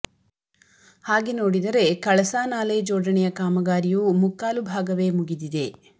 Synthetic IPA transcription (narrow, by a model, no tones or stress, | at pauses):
haːɡenoːɽid̪ɐɾe̞kɐɭɐsaːnaːled͡ʒoːɖɐɳɛjɐkaːmɐɡaːɾijuːmukːaːlubʱaːɡɐʋe̞ːmuɡid̪id̪e̞